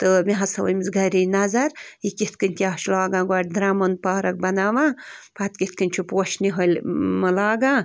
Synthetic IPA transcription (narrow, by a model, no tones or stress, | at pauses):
t̪ɨmiɦɐsɐʋɐ̰jmizɡɐɾinɐzɐɾikit̪kɨnʲk̪ʲiaːʃlaːɡãːɡwaːʈ̚d̪ɾaːmɐnpaːɾɐk̚bɐnaːʋaːpʰat̪kit̪kɐnʲt͡ʃʰupoːʃniɦɐlʲmɐlaːɡã